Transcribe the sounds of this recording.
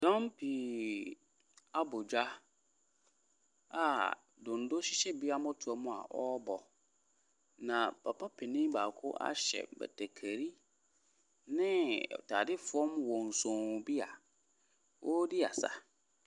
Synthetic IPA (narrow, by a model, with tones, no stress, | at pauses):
dɔ̃˦mpʰi˨ | a˦bʊ˨d͡ʑᶣa˦ | a̰˨ | dʊ̃˨n̩˨do˦ɕɪ˦ɕɛ˦bi˦a˦mʊ̃˦tʰʊ˨ɔ˦mʊ̃˦a̰˨ʔɔ˦bɔ˨ | nã˨pʰa˨pʰa˦pʰɪ˨nɪ̃˦baː˨kʰʊ̰˦ʔa̰˦ɕɛ̰˨bɛ̰˨tʰæ˨kʰæ˨ɾi˦ | nɪ̃˦˨tʰaː˨dɪ˦fɔ̃˦mwɔ˨n̩˨sʊ̃˨ŋ˨bi˦a˨ | wʔɔ˦dɪ˦a̰˨sa̰˨